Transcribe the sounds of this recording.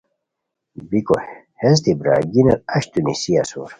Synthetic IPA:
bikoh | hezt̪ibɾa̰ɡinɐlɐɕt̪unisiasṵɾ

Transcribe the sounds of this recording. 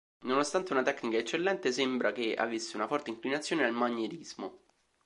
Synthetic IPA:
nonost̪ant̪eunat̪ɛknikaet͡ʃːelːɛnt̪esembɾakea̰vːisːeunafɔrt̪eiŋklinat̪sːjoːnenelmaɲːeɾizmo

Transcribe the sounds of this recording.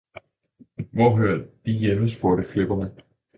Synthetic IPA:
ʋɒːɦøɐd̥ijeməsb̥oɐɾəfleb̥ɐmə

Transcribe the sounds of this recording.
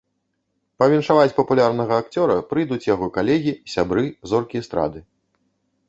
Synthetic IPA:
pɐvʲinʂavat͡sʲpɐpulʲarnɐɣɐːkt͡sʲɔɾɐpɾɨjd̪ut͡sʲjaɣɔkalʲɛɣʲisʲabɾɨzɔrkʲist̪ɾa̰d̪ɨ

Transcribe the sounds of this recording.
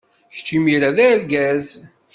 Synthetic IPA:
çt͡ʃːimiɾæðæɾɡæz

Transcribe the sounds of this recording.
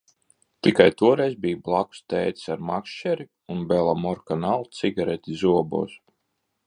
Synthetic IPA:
t̪ikajt̪uɔɾɛjzbiːjblˠaku̥st̪ɛːjt̪i̥saɾmakʃt͡ʃɛɾi | unbɛlˠamɔɾkanalˠt̪siɡaɾɛt̪ʲizuɔbo̰ːs

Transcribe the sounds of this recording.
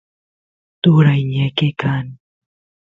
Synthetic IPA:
t̪uɾajɲakekan

